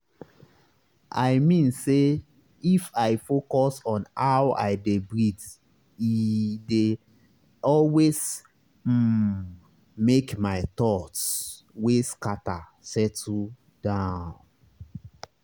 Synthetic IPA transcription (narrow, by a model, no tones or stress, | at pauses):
ʔaɪmĩnse | ifaɪfokɔsɔ̃nawa̰ɪdebɹid | ide | ɔlwes̩ | mekmaɪt̪ɔts | weskata | sɛtu | d̥ãʊn